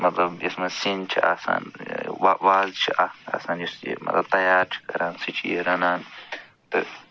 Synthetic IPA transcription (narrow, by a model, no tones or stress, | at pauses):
mɐt̪lɐbjismɐsint͡ʃʰia̰ːsa̰ːnʋaʋaːzt͡ʃʰiʔaa̰saːnjisḭmɐ̰t̪lɐb̚t̪ɐjaːɾt͡ʃʰi̥kɐ̰ɾaːnsit͡ʃʰijeɾɐnaːn | t̪ɨ